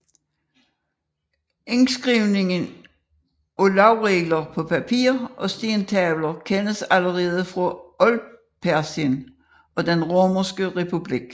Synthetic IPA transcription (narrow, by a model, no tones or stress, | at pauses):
ensɡ̥ʁiʊne̝ŋən | olɑ̈ʊʁɛːɡ̥lɐpʰɒ̽pʰæpʰḭːɐʔɒ̽sd̥int͡sʰɛːʋlɐkʰenəsæləʁɛːð̞ˠəfʁɑ̽ɔl | pʰæɐsiən | ʔɒ̽d̥enʁoːmɐsɡ̥əʁɛpʰub̥liɡ̥